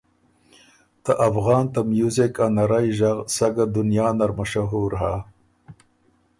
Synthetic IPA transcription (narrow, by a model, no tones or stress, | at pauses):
t̪aʔafɣɑːnt̪ɐmjuzekanɐɾajʒɐɣsɐɡad̪unjɑːnɐɾmɐʂaɦuːɾɦa